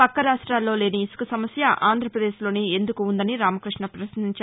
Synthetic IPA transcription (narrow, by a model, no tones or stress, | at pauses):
pɐkːɐɾaːʂʈɾaːlːo̞ːle̞ːniːsu̥kusɐmɐsjɐʔaːnd̪ʱɾɐpɾɐd̪e̞ːʃlo̞ːniːend̪ukuːnd̪ɐniɾaːmɐkɾiʂɳɐpɾɐsiniɲt͡ʃaː